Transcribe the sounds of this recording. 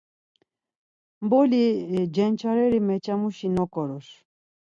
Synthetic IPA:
mbɔlid͡ʒɛnt͡ʃʰaɾɛɾimɛt͡ʃamuʃinɔkɔɾɔs

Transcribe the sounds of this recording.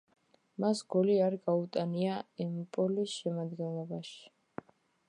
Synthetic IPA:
masɡɔliaɾɡaut̪ʼaniaimpʼɔlisʃɛmad̪ɡɛnlˠɔbaʃi̥

